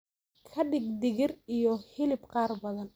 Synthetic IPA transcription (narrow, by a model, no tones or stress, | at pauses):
kʰɐɖɪɡd̪ɪɣɪrijɔhɪlɪbqɑːrbɐðɐn